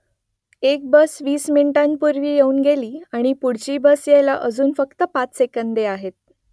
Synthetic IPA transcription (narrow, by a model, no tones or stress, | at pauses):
ek̚bəsʋiːsmiɳʈanpuɾʋiːjeuːnɡeliːaɽ̃ipuɽt͡ɕiːbəsjejla̰ʔəd͡zuːnfəkt̪əpat͡ssekənd̪eaɦet̪̚